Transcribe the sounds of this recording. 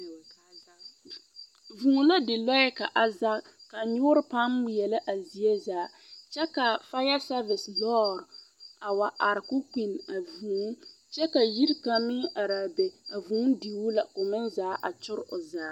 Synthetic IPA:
vu˨ŋ˨la˦dɪ˨lɔ˦jɛ˦ka˨ʔa˨za˦ | ka˨ɲʊː˦ɾpa˦m˦˨jɛ˨la˦ʔa˨zi˨e˦zaː˨˦ | t͡ʃɛ˦ka˨fa˦ja˦sa˦vɪ˨slɔ˦ɾa˨wa˨ʔa˨ɾkʊ˦ki˨na˨vu˨ŋ˦ | t͡ʃɛ˦ka˨ji˦ɾka˨mɪ˦ŋa˨ɾaː˨bɛ˨a˨vu˨˦ŋ˦di˨wu˦la˨ko˨mɪ˦nzaː˦ʔa˨t͡ʃʊ˦ɾʊ˨zaː˨˦

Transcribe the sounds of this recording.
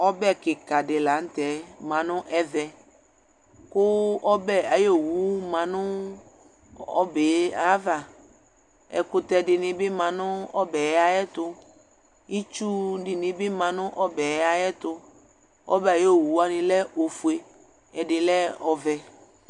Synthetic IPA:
ɔ˦bɛ˦kɪ˨ka˨dɪ˨la˨˦n̩˦t̪ɛ˨˦mã˨nʊ̃˦ʔɛ˦ðɛ˨ | kʊ˦ɔ˦bɛ˦a˨jo˦˨wu˨˦mã˨nʊ̃˦ | ɔ̰˦be˨a˦va˨ | ɛ̰˨kʊ˨t̪ɛ˨dɪ˨nɪ̃˨bɪ˦mã˨nʊ̃˦ɔ˦bɛ˨ja˦ɛ˦t̪ʊ˦ | i˦t͡ʃu˦dɪ˨nɪ̃˨bɪ˦mã˨nʊ̃˦ʔɔ˦bɛ˨˦a˦jɛ˦t̪ʊ˦ | ɔ̰˦bɛ˦˨a˨je˦˨wu˨˦a˦nɪ̃˨lɛ˦o˨fu˨e˨ | ɛ˨dɪ˨lɛ˦ɔ˨vɛ˨

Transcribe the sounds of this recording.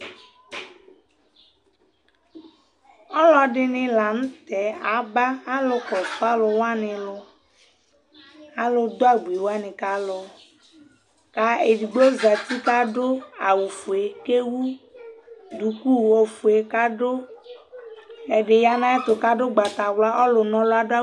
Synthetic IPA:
ɔ˦lɔ˦ɖɪ˨nɪ̃˨la˨ñ̩˦t̪ɛ˨a˨ba˦a˦lo˦kɔ˨fa˦lo˨wa˦nɪ̃˨lʊ˨ | a˦lo˨d̪o˦a˦ɡ͡bu˨i˨wo˦a˦nɪ̃˨ka˦lʊ˨ | ka˦e˨di˨ɡ͡be˦za˨t̪i˦ka˦ɖo˦a˨wu˨fu˨e˨ke˦wu˦ | d̪u˨ku˦˨wo˦fu˨e˨ka˦ɖo˦ | e˨ɖɪ˨ja˨nã˦e˦t̪ʊ˨ka˦ɖo˦ɡ͡ba˨t̪a˨wla˦ʔɔ˦lo˨nɔ̃˨lo˦a˨do˦a˦

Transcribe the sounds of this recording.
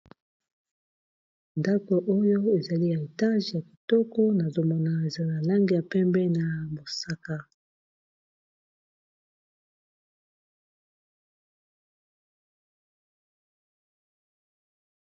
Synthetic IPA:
nda˦ko˨ʔo˦jo˦e˨za˨li˦ja˨e˨ta˦ʒɛ˨ja˨ki̥˨tɔ˦kɔ˦na˨zo˨mɔ˨na˨e˨za˦˨na˨la˦ŋɡi˨ja˨pɛ˦mbɛ˦na˨mo˨sa˦ka˦

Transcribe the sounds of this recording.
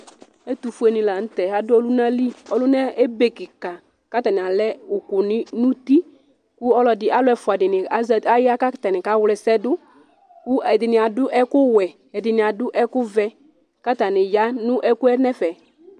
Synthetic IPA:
e˦t̪u˨fu˦e˨nɪ̃˨la˨n̩˦tɛ˨a˨dʊ˦ɔ˦lu˦na˦li˦ɔ˦lʊ˦nɛ˦e˦be˨kɪ˨ka˨ | ka˦ta˨nɪ̃˨a˨lɛ˦ʊ˨kʊ˨nɪ˦nʊ̃˦ti˦ | kʊ˦ɔ˦lɔ˨dɪ˨ʔa˦lʊ˦ɛ˨fʊ˨a˨dɪ˨nɪ˨a˨a˦ja˦ka˦ta˨nɪ˨ka˨˦wlɛ˨sɛ˦dʊ˦ | kʊ˦ɛ˨dɪ˨nɪ˨a˨dʊ˦ʔɛ˦kʊ˦wɛ˨ | ɛ˨dɪ˨nɪ˨a˨dʊ˦ʔɛ˦kʊ˦vɛ˦ | ka˦ta˨nɪ˨ja˦nʊ̃˦ʔɛ˦kʊ˦ɛ˦nɛ˦fɛ˨

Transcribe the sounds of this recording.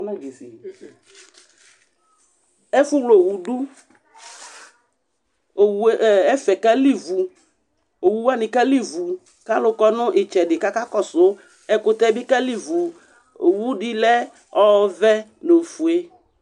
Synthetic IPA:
na˦ɡe˨sḭ˨ | ɛ˦fʊ˦wlo˨wu˨du˦ | o˨wɛ˦fɛ˨ka˦li˦vu˨ | o˨wu˨˦wa˦nɪ̃˨ka˦li˦˨vu˨ | ka˦lʊ˦kɔ˦nʊ̃˦ʔɪ˨t͡ʃɛ˨dɪ˨ka˦ka˦kɔ˦sʊ˦ | ɛ˨kʊ˦t̪ɛ˦bɪ˦ka˦li˦vu˨ | wu˦dɪ˦lɛ˦ | ɔ˦vɛ˦lo˨fu˨e˦

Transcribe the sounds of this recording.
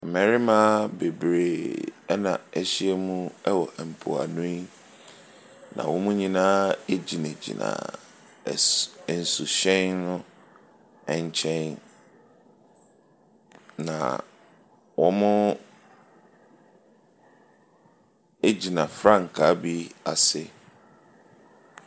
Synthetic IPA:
mɛ̃˨ɾɪ˦mã˦be˨bɾe˨ɛ˦nã˨ɛ˦ɕi˦ɛ˦mũ˦ɛ˦wɔ˨ʔɛ˨m̩˨pʰo̰˨a̰˨nʊ̃˦i˦ | nã̰˨wɔ̃˦mũ˦ɲĩ˦nãː˦e˦d͡ʑi˨nẽ˨d͡ʑḭ˨nã̰˨ | n̩˨su˨ɕɛ̃˦nnʊ̃˦ | ɛ˨ɲ˦t͡ɕʰɛ̃˦n | nã̰˨ | wɔ˦mʊ̃˦ | e˦d͡ʑi˨nã˨fɾã˦˨ŋ̩˨kʰa˨˦bi˦a˨sɪ˦

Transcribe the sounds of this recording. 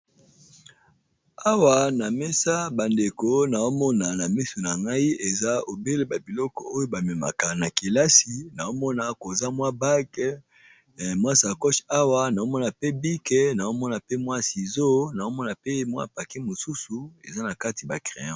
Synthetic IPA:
a˦wa˨na˨mɛ˦sa˦ba˨nde˨ko˦na˨o˦mɔ˦na˨na˨mi˦su˨na˨ŋɡa˦i˦e˨za˦o˨be˦le˦ba˨bi˨lɔ˦kɔ̰˨o˦jo˦ba˨me˨ma̰˨ka˨na˨ki˨la˦si˨na˨o˦mɔ˦na˨ko˨za˦mwa˦ba˦k | mwa˦sa˨kɔ˦ʃa˦wa˨na˨o˦mɔ˦na˨pe˦bi˦kɛ˨na˨o˦mɔ˦na˨pe˦mwa˦si˨zo˦na˨o˦mɔ˦na˨pe˦mwa̰˦˨pa˨ki˦mo˨su˦su˨ḛ˨za˦na˨ka˦ti˨ba˨kʁḛ˨jɔ̃˦

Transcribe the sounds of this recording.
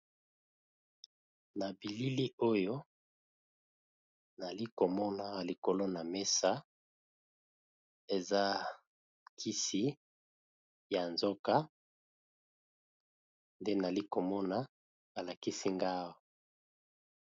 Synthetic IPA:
na˨bi˨li˦li˦o˦jo˦ | na˨li˦ko˨mɔ˦na˦˨li˨ko˨lo˦na˨me˦sa˦ | e˨za˦ | kʰi˦si˦ | ja˨nzo˦ka˦ | nde˦na˨li˦ko˨mɔ˦na˦ | a˨la˨ki˦si˦ŋɡa˦o˨

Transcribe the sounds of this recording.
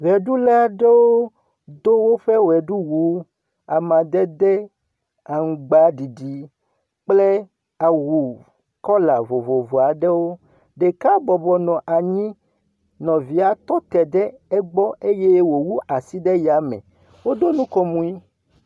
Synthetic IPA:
ɣɛ˨ɖu˦lɛ˦a˨ɖe˦wo˦ | d̪o˦wo˦ɸɛ˦wɛ˨ɖu˦wu˨˦ | a˨mã˨d̪ɛ˦d̪ɛ˦ | a˨ŋu˨ɡ͡ba˨˦ɖi˨ɖi˨˦ | k͡ple˦ | a˨wu˨ | kɔ˦la˨vo˨vo˨vo˨a˨ɖɛ˦wo˦ | ɖe˨ka˦bɔ˨bɔ˨nɔ̃˨ʔa˨ɲĩ˦ | nɔ̃˨vi˨a˨t̪ɔ˦t̪ɛ˨ɖɛ˦ɛ˦ɡ͡bɔ˦e˦je˦wo˨wu˦a˨si˦ɖɛ˦ja˨˦mɛ̰̃˨ | wo˦d̪o˦nũ˦kɔ˦mũ˨˦i˦

